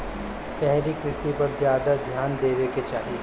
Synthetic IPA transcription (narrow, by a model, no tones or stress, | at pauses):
ʃɛɦɾikɾɪsipɐɾzjaːd̪ad̪ʱjaːnd̪eːʋeket͡ʃaːɦie